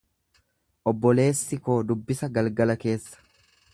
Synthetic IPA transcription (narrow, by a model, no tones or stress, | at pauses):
ʔɔbːɔle̞ːsːɪko̞ːd̪ʊbːɪsɐɡɐlɡɐlɐke̞ːsːɐ̥